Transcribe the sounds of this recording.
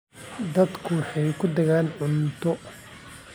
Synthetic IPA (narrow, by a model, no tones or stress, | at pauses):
d̪ɐd̪kʰʊwħɑjkʰʊd̪ɛɣaːnʕʊnt̪ʰɔ